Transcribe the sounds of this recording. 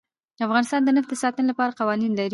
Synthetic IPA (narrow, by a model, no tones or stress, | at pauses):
d̪̥əafɣɑnɪst̪ɑnd̪ənafd̪əsɑt̪ənolapɑɾaqɑwɑninlaɾ